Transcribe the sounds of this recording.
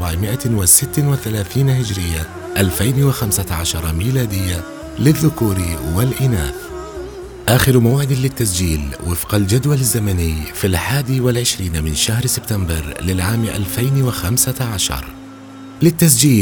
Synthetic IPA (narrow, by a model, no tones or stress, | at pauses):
aʕmɪʔawɪsɪt̪ːnwɪθalaːθiːnɦɪd͡ʒɾɪjːa | ʔalfajnwɪxamsaʕaʃɑɾˤɑmiːlaːd̪ɪjːa | lɪðːʊkuːɾwɪlʔɪnaːθ | ʔaːxɪɾmawʕɪd̪ɪlːɪt̪ːas̬d͡ʒiːlwɪfqɑld͡ʒad̪walɪzːamanɪjːfilħaːd̪iwɪlʕɪʃɾiːnmɪnʃahɾsɪbt̪ambɑɾˤlɪlʕaːmʔa̰lfajnwɪxamsaʕaʃɑ̰ɾˤ | lɪt̪ːas̬d͡ʒiː